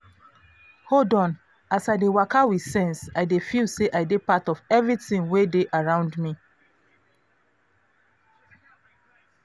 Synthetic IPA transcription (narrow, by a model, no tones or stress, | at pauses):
hodɔ̃n | asaɪdewakawisɛ̃nsaɪdefilseʔaɪdepatɔvɛvɹitĩnwedeʔaɹãʊ̃ndmi